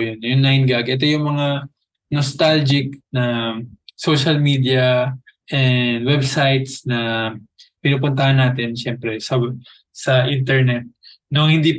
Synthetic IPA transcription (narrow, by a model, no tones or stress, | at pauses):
jonjʊŋlajnɡaɡʔɛt̪o̞jʊŋmɐŋa | nost̪ald͡ʒɪk̚nɐ | so̞ʃɐlmiːd̪ijɐʔɛnd̪wɛbsajt̪snɐ | pɪnuːpʊnt̪ɐhanːaːt̪ɪnʃɛmpɾɛsɐ | sɐʔint̪ɛɹnɛt̪̚ | nʊŋhɪnd̪iːp